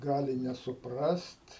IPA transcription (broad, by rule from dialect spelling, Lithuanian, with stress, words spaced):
ˈɡɑːlʲɪ nʲɛsʊˈprɐst